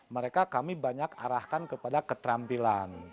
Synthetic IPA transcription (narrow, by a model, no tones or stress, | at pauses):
məɾekakamibaɲaka̰ɾahkankəpadakət̪ɾampilan